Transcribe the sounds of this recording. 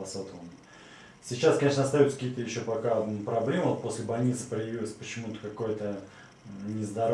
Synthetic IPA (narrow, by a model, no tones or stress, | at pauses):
ɐsot̪ələn | sʲɪt͡ɕːaskɐnʲeʂnəɐst̪ajot̪sə̥kʲiːət̪əjɪɕːo̞pɐkapɾɐblʲe̞məvot̪̚po̞sʲlʲɪbɐlʲnʲit̪sə̥pɾəjɪvʲilˠəsʲpət͡ɕɪmut̪ə̥kɐko̞jt̪ə | nʲɪzd̪ɐɾ